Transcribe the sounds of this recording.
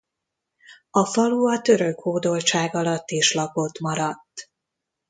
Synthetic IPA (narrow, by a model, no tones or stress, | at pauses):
ɒfɒluɒt̪ø̞ɾø̞khoːd̪o̞lt͡ʃaːɡɒlɒt̪ːiʃlɒpo̞t̪mɒɾɒt̪ː